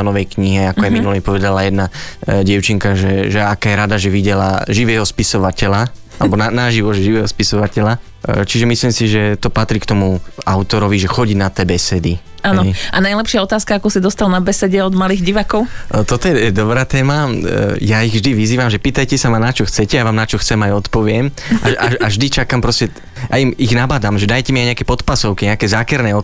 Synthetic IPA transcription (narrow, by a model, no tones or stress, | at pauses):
nɔʋɛjkɲiɦɛakɔajminulipɔʋɛd̪alajɛd̪naɟɛʊt͡ʃiŋkaʒɛʒɛakaːjɛɾad̪aʒɛʋiɟɛla̰ʒiʋɛːɦɔspisɔʋacɛla | alɛbɔnanaʒiʋɔʒɛʒiʋɛːɦɔspisɔʋacɛla | t͡ʃiʒɛmisliːmsiʒɛt̪ɔpat̪ɾikt̪ɔmuaʊt̪ɔɾɔʋiʒɛxɔɟinat̪ɛːbɛsɛd̪i | aːnɔʔanajlɛpʃɪaɔt̪aːskaakɔsid̪ɔst̪alnabɛsɛɟɛɔd̪maliːɣɟiʋaːkɔʊt̪ɔt̪ɔjɛɛd̪ɔbɾaːt̪ɛːmajaiɣvʒd̪iʋiziːʋamʒɛpiːt̪ajcɛsamanat͡ʃɔxt͡sɛcɛjaʋaːmnat͡ʃɔxt͡sɛmajɔt̪pɔʋɪɛm | ʔaaaʒd̪it͡ʃakampɾɔscɛ | jaimiɣnabad̪amʒɛd̪ajcɛmiajɲɛakɛpɔt̪pasɔʊkiɲɛakɛzaːkɛɾnɛːɔ